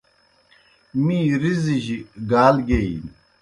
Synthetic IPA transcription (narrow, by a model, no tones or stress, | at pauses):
miːɾiziʑiɡaːlɡein